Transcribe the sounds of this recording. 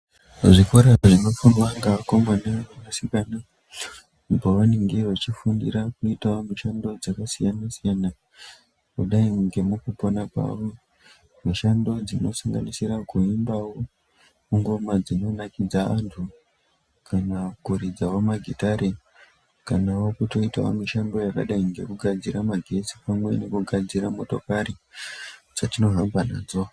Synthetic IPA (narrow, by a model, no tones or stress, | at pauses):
ʐikoɾaʐino̞funwaŋɡakomanaamasikana | upoʋaniŋɡerot͡ʃifundḭrakuitaomuʃando̞d͡zakasijanasijana | kuɗaiŋɡe̞mukupo̞nakwa̰ʋo | miʃando̞d͡zino̞̰saŋɡa̰nisirakuimbawo | muŋɡo̞mad͡zino̞nakid͡zaantʰu | kʰanakuɾid͡zawomaɡʱitaɾe | kanawokuto̞itawo̰miʃando̞jaka̰ɗaiŋɡe̞kuɡʱad͡ziɾamaɡʱe̞t͡si̥pamwe̞ne̞kuɡʱad͡ziɾamo̞to̞kaɾi | d͡z̥atino̞ɦambana̰ːd͡zo